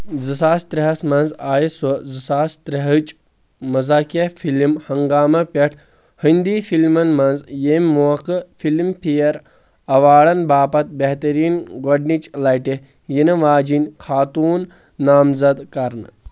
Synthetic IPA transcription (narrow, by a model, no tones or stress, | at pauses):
zɨsaːst̪ɾɐɦɐsmɐnzaːjisozɨsaːst̪ɾɐɦət͡ʃʼ | mɐzaːkɐfʰilimhɐŋɡaːmɐpʲɐʈʰ | hind̪ifilmɐnmɐnzjemʲmoɐkɨfilmpʰijɐɾ | ɐʋaːɽɐnbaːpɐt̪̚beɦt̪ɐɾiːnɡɐɖnit͡ʃʼlɐjʈe | jinɐʋaːd͡ʒinʲkʰaːt̪uːnː | aːmzɐd̪kɐɾnɨ